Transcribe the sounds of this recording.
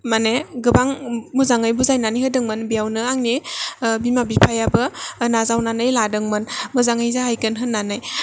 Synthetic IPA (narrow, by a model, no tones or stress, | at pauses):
maneɡɯbaŋmɯzaŋajbuzajnaniɦɯdɯŋmɯnbijawnɯaŋnibimabipʰajabɯnazawnanajladɯŋmɯnmɯzaŋajzahajkɯnɦɯnːanaj